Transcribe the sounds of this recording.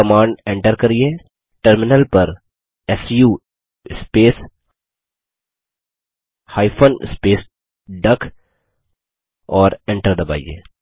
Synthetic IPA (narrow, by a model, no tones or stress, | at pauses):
ɐmãːɳɖẽɳʈəɾkɐɾieː | ʈəɾmɪnəlpɐɾ | ɛsjuː | ɪspeːs | haːɪpʰənɪ̰speːs | ɖɐk | ɔːɾẽɳʈəɾd̪ɐba̰ːḭḛː